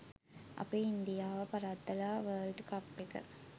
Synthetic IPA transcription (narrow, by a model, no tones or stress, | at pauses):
ʔɐ̰pːɐːind̪ijaːʋɐpɐɾaːt̪ːɐlaːʋɐːlɖkɐpːikːɐ̰